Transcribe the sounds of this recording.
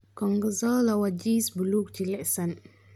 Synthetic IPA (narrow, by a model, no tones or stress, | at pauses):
kɔŋɡəzɔlawad͡ʒisbuluk̚t͡ʃilɛʔsan